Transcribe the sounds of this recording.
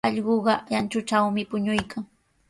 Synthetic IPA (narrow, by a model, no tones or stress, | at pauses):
ɑʎɢoɢɑjant͡ʃʊt͡ʃawmɪpʊɲʊjkʰaŋ